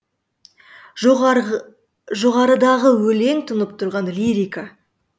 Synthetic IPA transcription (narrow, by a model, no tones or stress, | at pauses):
ʒoʁɑɾəd̪ɑʁəwɵle̞ŋt̪ʰʊnəp̚t̪ʰʊɾʁɑnliɾʲijka